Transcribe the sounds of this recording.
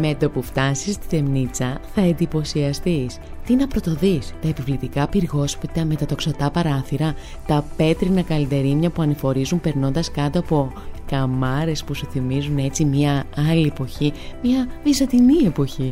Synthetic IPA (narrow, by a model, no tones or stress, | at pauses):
met̪o̞puft̪ɐsist̪i̥θe̞mnit͡sɐθɐe̞nd̪ipo̞siɐst̪is | t̪inɐpɾo̞t̪o̞ðist̪ɐe̞pivlit̪ikɐpiɾɣo̞spit̪ɐme̞t̪ɐt̪o̞ksɐt̪ɐpɐɾɐθiɾɐ | t̪ɐpe̞t̪ɾinɐkɐlit̪e̞ɾimɲɐpuɐnifo̞ɾizumpe̞ɾno̞nd̪ɐskɐt̪o̞ɐpo̞kɐmɐɾe̞spusuθimizune̞t͡simɲɐɐliepo̞çimɲɐvizɐnd̪inie̞po̞çi